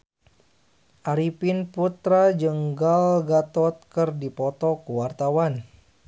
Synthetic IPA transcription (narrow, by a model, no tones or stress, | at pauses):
ʔaɾipinput̪ɾad͡ʒəŋɡalɡat̪ɔt̪̚kərdipɔt̪ɔkəwart̪awan